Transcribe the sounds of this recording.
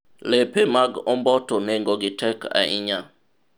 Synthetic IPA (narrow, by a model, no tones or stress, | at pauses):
lepemaɡɔmbɔtɔneŋɡoɡɪtɛka̰ʔɪ̰ɲa